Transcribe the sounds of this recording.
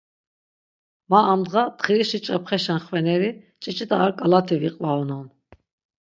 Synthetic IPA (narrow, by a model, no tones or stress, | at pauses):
maːmd̪ʁat̪χiɾiʃit͡ʃʼapχɛʃanχvɛnɛɾi | t͡ʃʼit͡ʃʼid̪aːɾkʼalat̪ʰiviqʼvaɔnɔn